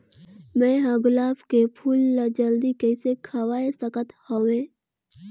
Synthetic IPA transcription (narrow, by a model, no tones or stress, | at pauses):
mɛ̃ɦəɡʊlaːpkepʰuːlːad͡ʒəld̪ikɛɪsekʰəwaːesəkət̪hoʋẽː